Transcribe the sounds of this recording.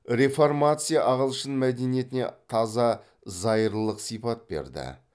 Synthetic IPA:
ɾʲe̞fo̞rmat̪sɨjaʔɑʁəlˠʃənmæd̪e̞nije̞t̪ɪne̞̰t̪ʰɑzɑ | zɑjəɾlˠəqsijpɑt̪̚be̞̰ɾd̪ɪ̰

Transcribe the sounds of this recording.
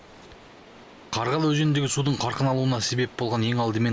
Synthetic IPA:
qʰɑɾʁɑlˠwɵʒe̞nnd̪e̞ɡʲɪsud̪əɴqʰɑɾqənɑlˠuənɑse̞be̞p̚bo̞lˠʁɑne̞ŋɑlˠd̪əme̞n

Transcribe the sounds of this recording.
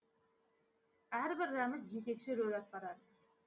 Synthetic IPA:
æɾbɪɾːɑməzʒe̞t̪e̞kʃɪɾɵɾɑp̪̚bɑɾɑd̪

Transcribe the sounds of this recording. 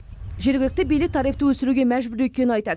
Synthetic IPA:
ʒe̞ɾɡʲɪlɪk̚t̪ebijlɪk̚t̪ʰɑɾijft̪əwɵsɪɾuɡʲemæʒbʏɾɵt̪̚ʲkʲenɪɑjt̪ɑɾ

